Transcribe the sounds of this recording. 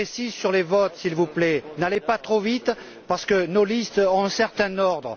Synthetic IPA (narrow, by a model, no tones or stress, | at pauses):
pesizsyʁlevɔt̪silvuplɛnalepat̪χovit̪ | paʁsə̥kənolist̪ɔ̃ɛ̃sɛʁt̪ɛ̃nɔʁd̪ʁə